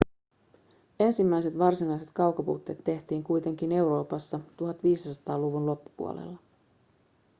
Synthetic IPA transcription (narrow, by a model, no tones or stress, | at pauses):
e̞nsimːæjse̞t̪ʋɑrsinɑjse̞t̪kɑwkɑpṵːt̪ːe̞ːt̪ːe̞ht̪iːŋkujt̪e̞ŋk̟ine̞wɾo̞ːpɑsːɑt̪uɦɑt̪ʋiːssɑt̪ɑːluʋunlo̞pːu̥pṵo̰lḛlːɑ